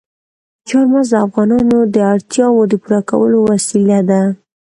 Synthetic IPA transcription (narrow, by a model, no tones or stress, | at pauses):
t͡ʃɑɾmazd̪əafɣɑnɑnod̪əaɽt̪jɑwod̪əpuɾaka̰wə̰lowasilad̪a